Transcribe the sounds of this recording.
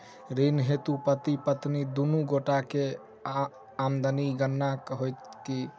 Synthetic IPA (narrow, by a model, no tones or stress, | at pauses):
ɾinɦet̪upət̪ipət̪nid̪unuɡoʈake | amd̪əniɡənːakɦojt̪ki